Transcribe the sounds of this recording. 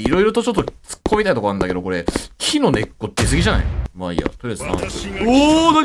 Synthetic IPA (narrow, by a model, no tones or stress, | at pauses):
iɾo̞iɾot̪o̞t͡ɕo̞t̪̬ːot͡sɨ̥kʰːomʲeit̪ait̪o̞koãnd̪ake̞d̪o̞ko̞ɾekʲʰino̞nekːot̪ːes̬ɨɡʲiʑana̰ḭmaḭja̰t̪oɾesɨ̥sã̰noːna